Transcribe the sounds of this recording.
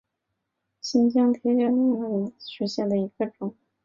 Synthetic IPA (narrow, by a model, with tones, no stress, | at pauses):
ɕi˥nt͡ɕjɑ˥ŋt̪ʰjɛ˧˥t͡ɕɛ˥mu˥˩n˧˥˩i˧˥ɕɛ˧˥ɕjɛ˥˩nd̪ə˩i˧˥ɡ̥ə˧ʈ͡ʂʊ˨˩˦ŋ